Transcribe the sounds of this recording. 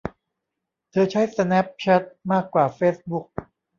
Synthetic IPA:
t̪ʰɤː˧t͡ɕʰa˦˥˩jsa˧nɛ˦˥p̚t͡ɕʰɛ˦˥t̪̚maː˥˩kːwaː˨˩feː˦˥s̚bu˦˥k̚

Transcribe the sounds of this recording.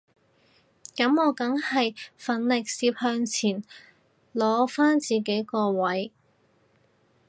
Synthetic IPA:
kɐ˨˥mɔː˨˧kɐ˨˥ŋhɐ˨jfɐ˨˥nlɪ˨k̚siː˧p̚hœː˧ŋt͡sʰiː˨˩n | lɔː˨˧˥faː˥nt͡siː˨ke˨˥jkɔː˧wɐ˨˥j

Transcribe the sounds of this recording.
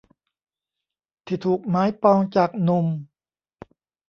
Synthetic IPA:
t̪ʰiː˧˩t̪ʰuː˨˩k̚maː˨˦˥jpɔː˧ŋt͡ɕaː˨˩k̚nu˧m

